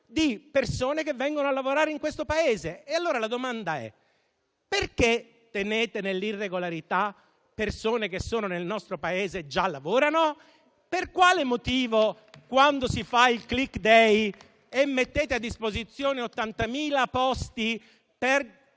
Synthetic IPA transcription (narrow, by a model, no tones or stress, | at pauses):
d̪ipersoːnek̟evːɛŋɡonoalːavoɾaːɾeiŋkwest̪opaeːzeːalːoːɾalad̪omand̪aɛ̰ | perke | t̪ːeneːt̪enelːirːeɡolaɾit̪a | pːersoːnekesːoːnonelnɔst̪ɾopaeːzed͡ʒalːavoːɾano | perkwaːlemot̪iːvo | kwand̪osifailklikːd̪ɛj | emːet̪ːeːt̪ead̪ːispozit̪sːjoːneot̪ːant̪amiːlapɔst̪i | per